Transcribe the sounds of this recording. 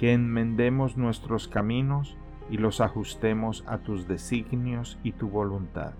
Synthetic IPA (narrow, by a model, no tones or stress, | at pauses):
ke̞ːnmẽ̞nd̪e̞mo̞znwe̞st̪ɾo̞skamĩno̞s | ilo̞saxust̪e̞mo̞sa̰t̪uzðe̞siɣnjo̞sit̪uβo̞lunt̪a̰ð